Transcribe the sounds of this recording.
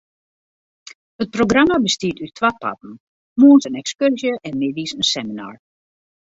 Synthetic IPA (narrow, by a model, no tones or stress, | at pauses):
ət̚proɡramabəstiətytʰʋat̚pʰa̰tn̩ | muənsənɛkskørzjəʔɛnmɪdisənsɛmina̰ːɹ